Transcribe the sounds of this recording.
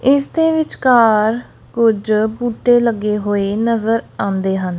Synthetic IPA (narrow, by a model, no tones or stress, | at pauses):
ɪsd̪eːʋɪt͡ʃkaːɾ | kʊd͡ʒbuːʈːeːləɡeːɦoːeːnəzəɾãːnd̪eːɦən